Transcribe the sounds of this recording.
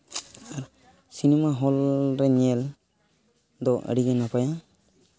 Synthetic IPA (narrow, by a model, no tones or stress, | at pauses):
aɾ | sinɛmaɦɔlɾɛɲɛl | d̪ɔʔə̰ɽiɡɛnapaja